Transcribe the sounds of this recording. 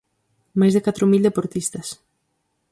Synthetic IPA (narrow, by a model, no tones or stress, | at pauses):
majzðekat̪ɾomild̪epoɾt̪ist̪ɐs